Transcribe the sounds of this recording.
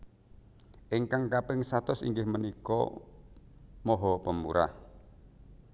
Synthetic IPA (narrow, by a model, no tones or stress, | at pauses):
ʔɪŋkaŋkapɪŋsat̪ʊsḭŋɡɪhmənikɔ̰ | mɔɦɔpəmṵɾa̰h